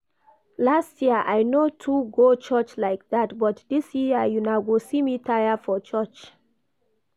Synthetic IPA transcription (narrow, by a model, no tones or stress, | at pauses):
lastjiəʔajnotʰuɡot͡ʃɜt͡ʃlaɪk̚datbɔtdisjiəjunaʊɡosimitʰajafɔt͡ʃɜt͡ʃ